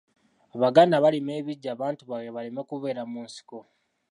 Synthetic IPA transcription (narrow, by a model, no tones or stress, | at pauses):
aβaɡanaβalime̞ːβiɟːaːβaːntuβaweβalime̞kuβe̞ːɾamunsi̥ko